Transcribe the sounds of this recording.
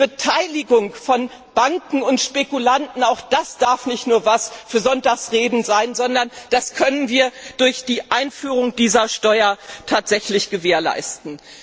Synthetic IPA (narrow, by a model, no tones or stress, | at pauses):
b̥ətʰaɪlɪɡʊŋfɔn | b̥aŋkŋ̩ʊntʃpekulantn̩aʊxd̥asd̥aɐfnɪçtnuːɐvasfyːɐzɔntaːxsʁeːdn̩zaɪnzɔndɐnd̥askʰœnənviːɐd̥ʊɐçd̥iːʔaɪnfyːʁʊŋd̥iːzɐʃtɔʏɐtʰaːtz̥ɛçlɪçɡ̥əveːɐla̰ɪstn̩